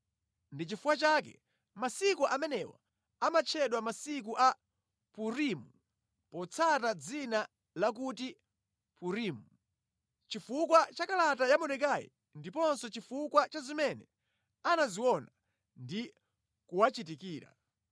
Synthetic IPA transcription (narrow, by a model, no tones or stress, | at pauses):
ndit͡ʃifuwat͡ʃak̬ɛ̰ | masikuʔamɛnɛwa̰ | amat͡ʃʰɛɗwamasik̬uʔa | puɾimu | pɔt͡sʰatad͡zina | lak̬uti | puɾiːmu | t͡ʃifukwat͡ʃakalatajamɔnɛk̬ajḭ | ndipɔnsɔt͡ʃifukwat͡ʃazimɛnɛ | anaziwɔna | ndi | kuwat͡ʃitikiːɾa̰